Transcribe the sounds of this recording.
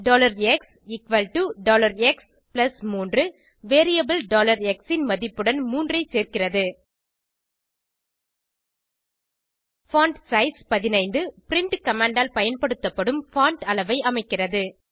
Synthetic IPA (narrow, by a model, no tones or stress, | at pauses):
ɖoːlɐɾɛks | ɪkʋɐlʈuɖoːlɐɾɛks | plɐsmuːndrɯ | ʋeːɾijɐbɐlɖoːlɐɾɛksɪnmɐðɪpːɯɽɐnmuːndrɐɪseːɾkɪrɐðɯ | faːɳʈsɐɪspɐðɪnɐɪnd̪ɯpɪɾɪɳʈkɐmaːɳɖaːlpɐjɐnpɐɽɯt̪ːɐpːɐɽɯmfaːɳʈɐlɐʋɐɪʔɐmɐɪkːɪrɐðɯ